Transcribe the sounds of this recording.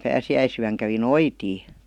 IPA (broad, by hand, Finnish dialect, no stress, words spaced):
pæːsiæisyæŋ kæʋi noitiː